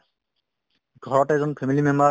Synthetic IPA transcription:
ɡʱɔɹɔtɛzɔnpʰemilimɛma

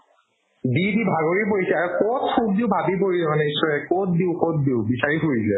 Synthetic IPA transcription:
didibʱaɡoɹip̬oɹisɛaɹukotxut̚diʊbʱabip̬oɹisɛmanɛisɔɹɛkot̚diʊxot̚diʊbisaɹiɦoɹisɛ

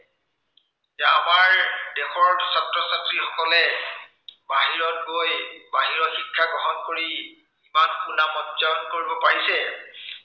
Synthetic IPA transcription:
zɛamaɹdɛxɔɹsatɹɔsatɹixɔkɔlɛ | baɦiɹɔtɡojbaɦiɹɔxikʰːaɡɔɦɔnkoɹi | imankunamɔzɔnkoɹibɔpaɹisɛ

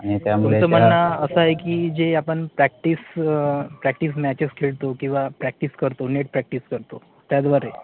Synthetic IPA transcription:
ãit̪jamuet͡səm̤əɳɳaəsəaekiːd͡ʑeapəɳpɾɛk̚ʈis | pɾɛk̚ʈis̬mæt͡ɕeskʰeɭt̪okĩw̃ʋapɾɛk̚ʈiskəɾt̪oneʈpɾɛk̚ʈiskəɾt̪o | t̪jad̪ʋaɾe

